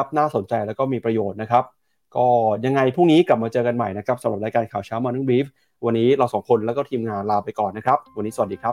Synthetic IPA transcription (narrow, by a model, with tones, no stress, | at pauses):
a˦˥p̚naː˥˩so˩˦nt͡ɕa˧jlɛː˦˥wkɔː˥˩miː˧pɾa˧joː˨˩t̪̚na˦˥kʰɾa˦˥p̚ | kɔː˥˩ja˧ŋa˧jpʰu˥˩ŋniː˦˥kla˨˩p̚maː˧t͡ɕɤː˧ka˧nma˨˩jna˦˥kʰa˦˥p̚sa˩˦mɾa˨˩p̚ɾaː˧jkaː˧nkʰaː˨˩wt͡ɕʰaː˦˥wmaː˧nɯ˥˩wiː˦˥f̚ | wa˧nːiː˦˥ɾa˧wsɔː˩˦ŋkʰo˧nlɛ˦˥kɔː˥˩t̪ʰiː˧mŋaː˧nlaː˧pa˧jkɔː˨˩nːa˦˥kʰɾa˦˥p̚wa˧nːiː˦˥sa˨˩t̚diː˧kʰɾa˦˥p̚